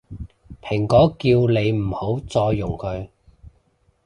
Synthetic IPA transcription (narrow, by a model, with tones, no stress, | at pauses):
pʰɪ˨˩ŋkɔː˨˥kiː˧wle˨˧jm̩˨˩ho˨˥wt͡sɔː˧jːʊ˨˩ŋkʰɵ˨˧ɥ